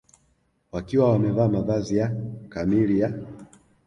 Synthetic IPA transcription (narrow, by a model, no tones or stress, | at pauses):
wakiwawamɛvaːmaðazijakamilija